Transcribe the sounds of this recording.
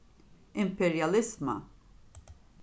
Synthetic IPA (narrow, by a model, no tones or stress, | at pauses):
ɪmpɛɾjɐlɪzmɐ̰